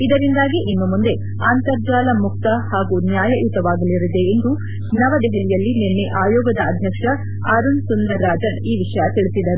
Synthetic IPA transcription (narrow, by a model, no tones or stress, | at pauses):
id̪ɐɾind̪aːɡiʔinːumund̪e̞ | aːnt̪ɐɾd͡ʒaːlɐmuk̚t̪ɐhaːɡunjaːjɐʔut̪ɐʋaːɡɐliɾid̪e̞ːnd̪u | nɐʋɐd̪ɛɦɛlijɐlːinenːe̞ʔaːjɔːɡɐd̪ɐɐd̪ʱjɐkʂɐ | aːɾunsund̪ɐɾːaːd͡ʒɐniːʋiʂɐjɐt̪iɭisid̪ɐɾu